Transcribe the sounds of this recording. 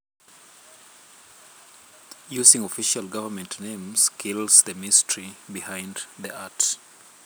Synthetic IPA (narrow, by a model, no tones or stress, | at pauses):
juzɪ̃ŋɔfiʃalˠɡʌvəmɛ̃ntnẽmz̥kʰilˠz̥ðɨmɪstəɹibihãɪ̃nd̪ðiat